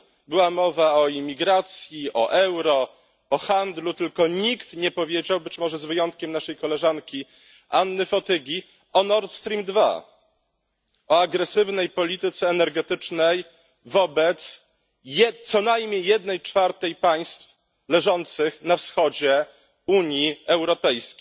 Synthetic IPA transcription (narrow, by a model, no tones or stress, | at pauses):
bɘwamɔvaɔimʲiɡɾat̪sʲjiʔɔʔɛwɾɔ | ɔxand̪lut̪ɘlkɔɲikt̪ɲɛpɔvʲjed͡ʑawbɘt͡ɕmɔʐɛzvɘjɔnt̪̚kʲɛmnaʂɛjkɔlɛʐankʲi | anːɘfɔt̪ɘɡʲi | ɔnɔɾt̪st̪ɾʲimd̪va̰ | ɔaɡɾɛsɘvnɛjpɔlʲit̪ɘt̪sɛːnɛɾɡɛt̪ɘt͡ʂnɛj | vɔbɛt̪s | jɛt̪sɔnajmʲɲejːɛd̪nɛjt͡ʂfaɾt̪ɛjpaj̃st̪f | lɛʐɔnt̪sɘxnafsxɔd͡ʑɛ | uɲjiɛwɾɔpɛjskʲej